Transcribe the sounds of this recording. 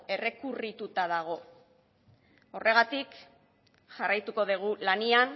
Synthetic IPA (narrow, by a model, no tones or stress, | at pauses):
e̞re̞kurit̪ut̪aðaɣ̞o̞ | o̞re̞ɣat̪ik | ʝarajt̪uko̞ðeɣ̞ulanian